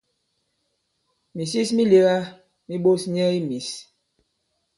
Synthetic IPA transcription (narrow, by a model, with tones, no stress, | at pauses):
mi˨si˦smi˦le˦ɣa˦ | mi˦ɓo˦sɲɛ˦i˦mi˨s